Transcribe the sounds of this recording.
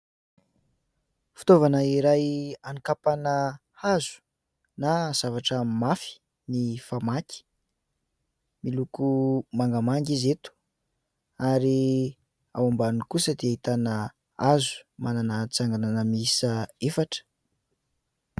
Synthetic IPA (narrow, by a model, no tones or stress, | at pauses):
fu̥t̪ovanaiɾajanikapanə | azu̥ | naz̥avaʈ͡ʂəmafi̥ | nifamaki̥ | milukumaŋɡəmaŋɡizet̪u̥ | aɾi | a̰wambanikusəd̪eait̪anə | azu̥mananat͡saŋɡananəmisəefaʈ͡ʂə̥